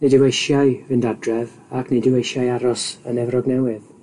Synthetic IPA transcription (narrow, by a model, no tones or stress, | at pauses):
nɪdɪwejʃjajvɨndadrɛv | akʰnɪdɪwejʃjajaɾɔsənɛvrɔɡnɛwɪð